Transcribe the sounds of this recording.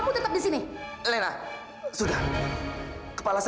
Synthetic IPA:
kut̪ət̪ap̚disinilɛna̰ | sudah | kə̥palas

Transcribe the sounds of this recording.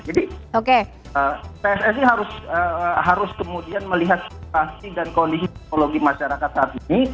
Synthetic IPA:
d͡ʒadioke | ət̪eɛsɛs̬iɦaɾʊsəɦaɾʊskəmudianməliɦat̪̚siasidankondisit̪ɛk̚noloɡimaʃaɾakat̪hat̪ini

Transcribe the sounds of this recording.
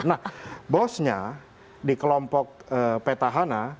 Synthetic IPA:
nahbɔsɲa | dikəlɔmpɔk̚əpet̪aɦana

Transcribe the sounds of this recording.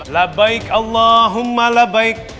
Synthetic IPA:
labːajkʔɑlˤːaːɦʊmːalabajk̚

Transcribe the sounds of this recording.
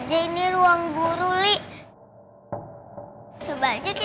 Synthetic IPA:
d͡ʒainiɾuaŋbuɾuliʔ | subad͡ʒak̪

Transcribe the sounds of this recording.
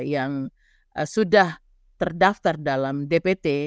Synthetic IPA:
jaŋ | sudah | t̪ərdaft̪ardalamdepet̪e

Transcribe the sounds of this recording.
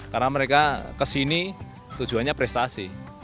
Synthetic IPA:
karnaməɾekakəsini | t̪ud̥uanɲapɾɛst̪asi

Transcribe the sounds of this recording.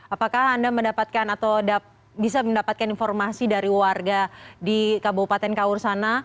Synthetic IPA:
apakahandaməndapat̪̚kanat̪awda | bisaməndapat̪̚kaninfɔrmasidaɾiwarɡadikabopat̪ɛnkaursana

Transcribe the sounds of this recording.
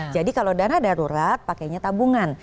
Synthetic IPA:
d͡ʒadikalodanadaɾuɾat̪̚pakajɲat̪abuŋan

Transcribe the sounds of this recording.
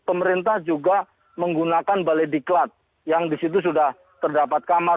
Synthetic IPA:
pəməɾint̪ahd͡ʒuɡa | məŋɡunakanbalediklat̪̚ | jaŋdisit̪̬us̬udah | t̪ərdapat̪̚kama

